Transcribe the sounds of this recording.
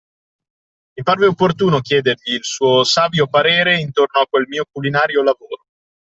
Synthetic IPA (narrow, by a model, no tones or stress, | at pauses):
miparveopːort̪uːnok̟jɛːd̪erʎiːlsuːosaːvjopaɾeːɾeint̪ornoakwelmiːokulinaːɾjolavoːɾo